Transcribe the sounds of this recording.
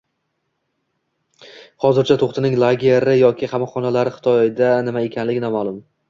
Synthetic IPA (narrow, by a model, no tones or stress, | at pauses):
hɒzɪɾt͡ʃʰat̪ʰoχt̪ʰɪnɪŋlˠaɡʲeɾɪjɒkʲʰɪqɑmɒχɒnalaɾɪχɪ̥t̪ʰɒjɪd̪anɪmae̞kʲʰanlɪɡʲɪnamalˠʊm